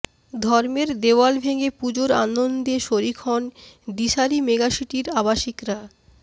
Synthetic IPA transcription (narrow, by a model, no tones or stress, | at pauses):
d̪ʱɔɾmeɾd̪ewalbʱeɡepud͡ʑoɾa̰nond̪eʃoɾikʰɔnɖiʃaɾimeɡaʃiʈiɾabaʃikɾa